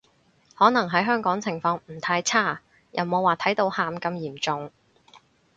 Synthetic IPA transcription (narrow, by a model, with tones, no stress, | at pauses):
hɔː˨˥nɐ˨˩ŋɦɐ˨˥jɦœː˥ŋkɔː˨˥ŋt͡sʰɪ˨˩ŋfɔː˧ŋm̩˨˩t̪ʰaː˧jt͡sʰaː˥˩ | jʔɐ˨wmo˨˧waː˨˩t̪ʰɐ˨˥jt̪o˧whaː˨˧mkɐ˧mjiː˨˩mt͡sʊ˨˧ŋ